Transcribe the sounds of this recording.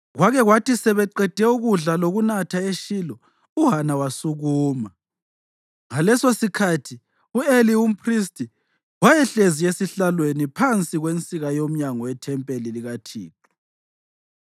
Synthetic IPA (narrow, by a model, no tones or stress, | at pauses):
ɣwaɣɛɣwatisɛβɛǃɛd̥ʱɛuɣuɮaloɣunatʰaeʃilɔ | uɦanawasuɣuːma | ŋalɛsosikʰatʰi | uelium̩pʰristʰʼi | wajɛɬeziesiɬalwenipʰant͡sʼiɣwent͡sʼiɣajom̩ɲaŋɔwɛtʰɛmpʼeliliɣatʰiːǁɔ̥